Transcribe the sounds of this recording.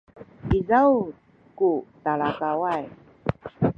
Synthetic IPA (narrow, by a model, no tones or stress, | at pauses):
izaw | kutalakawaj